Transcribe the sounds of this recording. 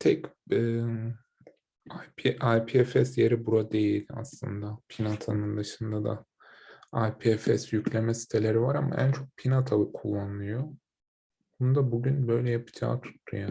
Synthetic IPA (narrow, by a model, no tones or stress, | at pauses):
t̪ʰɛcɯː | ajpʰiʔajpʰiɛfɛsje̞ɾibuɾad̪e̞jilʲd̪a̰slˠɯ̰nd̪apʰinat̪ʰanɯnd̪ɯʃɯnd̪ad̪a̰ | ajpʰiɛfɛsjycʰlʲemɛsi̥t̪ʰe̞lʲe̞ɾivaɾama̰ʔæ̰nt͡ʃʰo̞k̚pʰinat̪ʰalˠɯkʰulˠːanɯlˠɯjo | bonud̪abuɟynbø̞jlʲɛjapʰɯ̥d͡ʒa̰ːt̪ʰu̥t̪ʰːuja